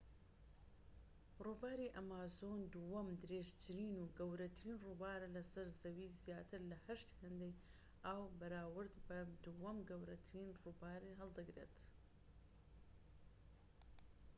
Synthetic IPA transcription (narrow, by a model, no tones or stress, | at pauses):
ruːbaːɾiʔɐmaːzoːnd̪uwɐmd̪ɨɾeːʒt͡ʃɾiːnuːɡɐwɾɐt̪ʰɾiːnrubaːɾɐlɐsɐɾzɐwiːzjaːt̪ʰɨɾlɐhɐʃt̪hɐnd̪ej | awbɐɾaːwɨɾd̪bɐd̪uwɐmɡɐwɾɐt̪ʰɾiːnrubaːɾiɦɐlˠd̪ɨɡɾḛːt̪